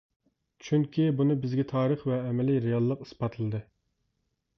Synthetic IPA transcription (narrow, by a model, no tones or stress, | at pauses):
t͡ʃʰyŋkʲʰibunɨbɪzɡʲɛt̪ʰɑːɾəχvɛːmɛliɾejɑlˠːəqi̥spɑt̪ʰɨlˠɨd̪ɨ